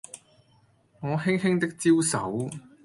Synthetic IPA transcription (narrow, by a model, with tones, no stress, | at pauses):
ŋɔː˨˧ɦɪ˥ŋhɪ˥ŋt̪ɪ˥k̚t͡siː˥wsɐ̰˨˥w